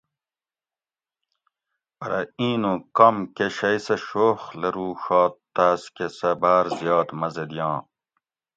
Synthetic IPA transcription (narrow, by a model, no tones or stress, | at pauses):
pɐɾɐ̰ĩːnũkɐmkeɕɐjsɐɕoːxlɐɾuːɕɑːt̪ːaːskesɐbaːɾzijɑːt̪mɐzed̪ijɑ̃ː